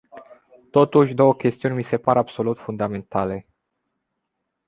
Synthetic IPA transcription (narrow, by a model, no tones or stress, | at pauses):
t̪o̞t̪uʃʲd̪o̞wəkʲe̞st̪iunʲmise̞paɾabso̞lut̪fund̪ame̞nt̪ale̞